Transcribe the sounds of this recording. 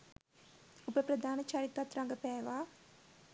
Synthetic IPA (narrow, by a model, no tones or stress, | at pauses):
upɐpɾɐd̪ʱaːnɐt͡ʃaːɾit̪ʋat̪ɾaːŋɡɐpɛːʋaː